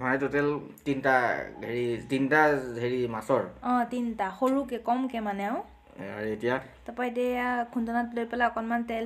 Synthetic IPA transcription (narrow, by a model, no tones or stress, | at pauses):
maɛtotɛltintaɡʱeɹitintaɡʱeɹimasɔɹɔ̃tintaxoɹukɛkɔmkɛmanɛaw | a̰ɹeetijatɔpajdɛːjakʰundɔnatlojpɛlaɔkɔnmantɛl